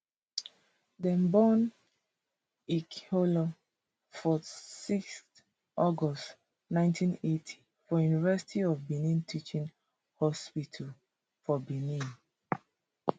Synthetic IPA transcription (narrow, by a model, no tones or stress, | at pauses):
dɛ̃mbɔn | ikʰolo | fɔsikst | ʔɔɡɔst | nãɪ̃ntʰĩnetʰi̥ | fɔjunivɛsi̥tʰiɔvbinĩntʰit͡ʃĩŋ | hɔspitʰal | fɔbinĩn